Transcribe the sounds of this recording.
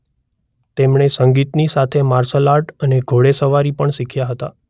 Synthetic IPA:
t̪emɳesəŋɡit̪nisat̪ʰemaɾsəlaʈəneɡʱoɭesəʋaɾipəɳsikʰjaɦət̪a̰

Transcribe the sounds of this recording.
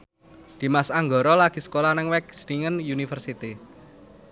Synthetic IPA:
d̪̥i̤masaŋɡɔɾɔlaɡ̥i̤sə̥kolahnɪŋwɛk̚sɾiŋənjunifərsit̪i

